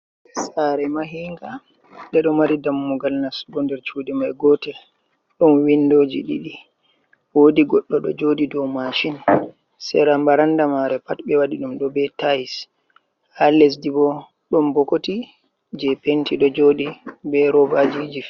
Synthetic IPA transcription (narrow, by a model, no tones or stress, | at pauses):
saɾɛmaɦiŋɡa | ɗɛɗɔmaɾidamːuɡalnasɡɔndɛɾt͡ʃudɛmajɡɔtɛ | ɗɔnwindoːd͡ʒiɗiɗi | wodiɡɔɗːɔɗɔ̰d͡ʒodidɔmaʃin | sɛ̰ɾambaɾandamaɾɛpatbɛwaɗiɗumɗɔbɛtajis | halɛs̬dibɔ | ɗɔmbɔkoti | d͡ʒɛpentʰiɗɔd͡ʒoːɗibɛɾɔbad͡ʒid͡ʒi